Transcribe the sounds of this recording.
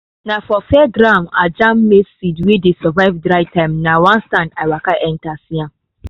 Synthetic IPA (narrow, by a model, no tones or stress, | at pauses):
nafɔfɛdɾama̰d͡ʒãmːesidwidisɔvaɪvdɾaɪtãmnawãnstãndajwakaʔɛntasiã